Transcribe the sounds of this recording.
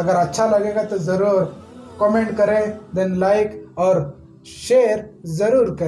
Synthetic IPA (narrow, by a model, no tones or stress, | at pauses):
ɐɡəɾɐtːʃʰalaɡẽŋɡat̪ɔzɐɾuːɾkɔmẽɳʈkəɾẽd̪ɛ̃nlajkɔːɾ | ʃeːɾzəɾuːɾkəɾe